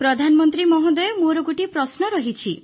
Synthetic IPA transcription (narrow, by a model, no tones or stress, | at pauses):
pɾɔd̪ʱanmɔnt̪ɾimɔɦɔ̃d̪ɔemoɾɔɡuʈipɾɔsnɔɾɔɦit͡ʃʰi